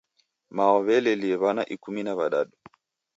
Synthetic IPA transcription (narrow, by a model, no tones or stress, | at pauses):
maɔβɛlɛliɛβanaʔikuminaβaɗaɗu